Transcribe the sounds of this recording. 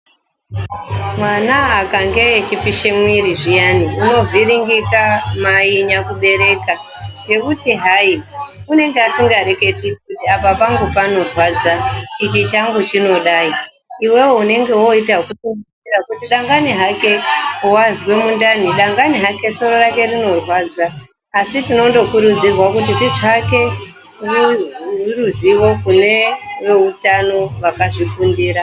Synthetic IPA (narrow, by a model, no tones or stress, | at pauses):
mwanaakaŋɡe̞et͡ʃipiʃemwiɾiʐijaniuno̞viɾiŋɡikamaiɲakuɓe̞ɾe̞ka | je̞kutiɦaiune̞ŋɡeasiŋɡaɾe̞ke̞tikutiapapaŋɡupano̞rwad͡zait͡ʃit͡ʃaŋɡut͡ʃino̞ɗaːi | iwe̞woune̞ŋɡe̞wo̞itakutuŋi | irakutiɗaŋɡaniɦake̞wazwe̞mundaniɗaŋɡaniɦake̞so̞ɾo̞rake̞rino̞rwaːd͡zaː | sitino̞ndo̞kuɾud͡zirwakut̬itiʐake̞ | riiruziʋo̞kune̞ʋe̞utano̞ʋakaʐifundiːɾa